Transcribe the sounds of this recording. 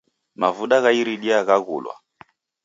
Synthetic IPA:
mavuɗaɣaiɾiɗiaɣaɣṵlwa̰

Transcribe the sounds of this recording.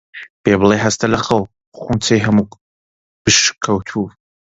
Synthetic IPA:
b̥eblˠeɦɐst̪ʰɐlɐχɐw | χʷunt͡sʰejɦɐmuk | b̥ɨʃkʰɐwt̪ʰu

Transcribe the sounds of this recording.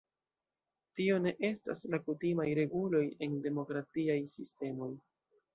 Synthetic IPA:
tio̞ne̞ʔe̞sta̰slakutimajɾe̞ɡulo̞je̞nde̞mo̞kɾatiajsiste̞mo̞j

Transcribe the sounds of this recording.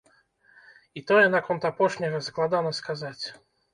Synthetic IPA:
it̪ɔjɛnakɔnt̪apɔʂnʲɐɣɐsɐklˠad̪anɐskazat͡sʲ

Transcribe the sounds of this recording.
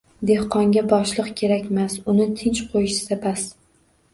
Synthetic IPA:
d̪e̞hqɒŋɡʲabɒʃlˠɨqkʲʰe̞ɾakʲmasʊnɪt̪ʰɪnt͡ʃqʰojɪʃsabas

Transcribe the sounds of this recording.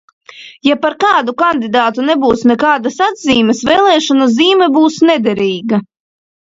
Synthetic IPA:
japaɾkaːd̪ukand̪id̪aːt̪unɛbuːsnɛkaːd̪asad̪ziːmɛsveːlˠɛːʃanuziːmɛbuːsnɛd̪ɛɾiːɡa

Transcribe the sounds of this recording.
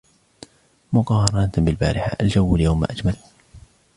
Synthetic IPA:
mʊqɑːhɑɾˤɑnat̪bɪlba̰ːɾʔɪħa̰ʔald͡ʒawːaljawmːa̰ːʔad͡ʒmal

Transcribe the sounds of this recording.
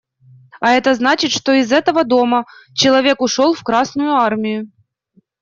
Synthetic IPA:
ɐɛt̪əznat͡ɕɪt̪ʂt̪oɪzɛt̪əvəd̪o̞mət͡ɕɪlˠɐvʲe̞kʊʂolˠfkɾasnʊjʊarmʲɪjʊ

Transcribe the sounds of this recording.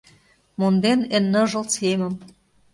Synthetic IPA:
mond̪enenːɤ̆ʒɤ̆lt͡semə̆m

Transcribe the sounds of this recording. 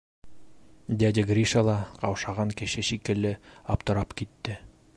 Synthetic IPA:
d̪ʲæd̪ʲɪɡrʲiʃɑlˠɑqɑwʃɑʁɑŋkɘ̆ʃɘʃikɘ̆lːɘɑpt̪ɤ̆ɾɑpkit̪ːɘ

